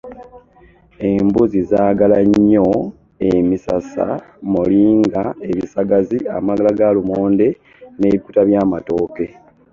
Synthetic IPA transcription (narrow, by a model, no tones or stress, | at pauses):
e̞mbuzizaːɡalaɲːo̞ | e̞misa̰sa̰muliːŋɡae̞βisaɡazia̰maɡalaɡalumoːnde̞ | ne̞ːβiku̥taβjaːmato̞ːke̞